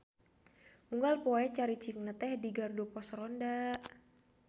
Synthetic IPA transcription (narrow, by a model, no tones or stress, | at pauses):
uŋɡalpɔɛt͡ʃaɾit͡ʃiŋnət̪ɛhdiɡardupɔsɾɔndaʔ